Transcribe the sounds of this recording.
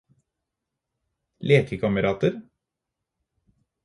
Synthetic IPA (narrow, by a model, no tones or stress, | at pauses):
leːkʰəkʰɑməɾɑːt̪əɾ